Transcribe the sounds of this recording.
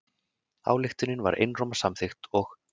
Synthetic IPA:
a̰ːwlɪxt̪ʏnːɪnva̰ɾʔḛjnroːmasamθɪxt̪ɔx

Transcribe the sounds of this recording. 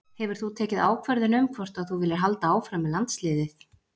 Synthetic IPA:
hɛvʏɾ̥θut̪ʰɛːcɪðaːwkʰvœɾðɪnʏmkʰvɔr̥t̪aθuvɪlːɪɾɦalt̪aaːwfɾamɛðlant̪slɪːðɪθ

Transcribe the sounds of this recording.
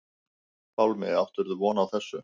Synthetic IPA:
fawlmɪawft̪ʏɾðʏvɔːnaːwθɛsːʏ

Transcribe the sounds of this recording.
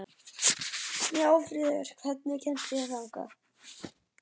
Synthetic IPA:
mjɛaːwfɾiːðɪɾ̥kʰvɛt̪̚nɪcʰɛn̥t̪ɪjaθaŋka̰

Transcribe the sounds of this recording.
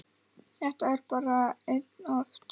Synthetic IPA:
ɛht̪aɛɾpaːɾaet̪nɔft̪

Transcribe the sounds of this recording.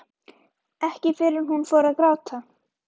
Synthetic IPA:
ɛhcɪfɪɾɪɾ̥ɦunfɔːɾaðkɾaːwt̪ʰa

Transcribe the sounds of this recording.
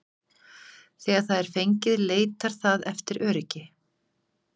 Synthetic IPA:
θɛːɣaɾθaðɛɾ̥fejɲcɪðleːjt̪aɾ̥θaðɛft̪ɪɾʔœːɾɪcɪ

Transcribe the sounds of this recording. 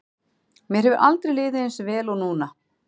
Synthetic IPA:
mjɛɾ̥hɛvʏɾʔalt̪ɾɪlɪːðɪɪnsvɛːlɔɣnuːna

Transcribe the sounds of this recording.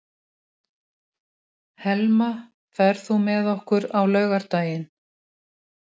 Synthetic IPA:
hɛlma | fɛɾ̥θumɛðɔhkʏɾawlœːɥɣaɾ̥t̪aːjɪn

